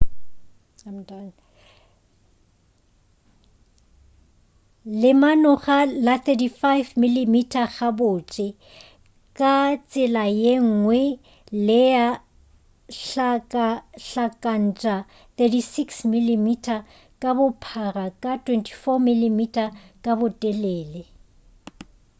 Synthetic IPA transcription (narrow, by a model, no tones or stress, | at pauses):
amtan | lɪmanɔχalaθɛtifajvmilimitʼʰaɣabʊːt͡ʃʼɪ | kʼat͡sʼɪlajeŋ̩ŋwɛ | lɪa | ɬakʼaɬakʼan̩t͡ʃʼa | θetisiksmilimitʰʼa | kʼabʊpʰarakʼatʰwɛntʰi̥fɔmilimitʰʼakʼabʊtʼɛlɛːlɛ